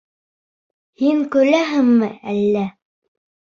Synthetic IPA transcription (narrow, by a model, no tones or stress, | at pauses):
hiŋkɵ̆læɦɘŋmɘælːæ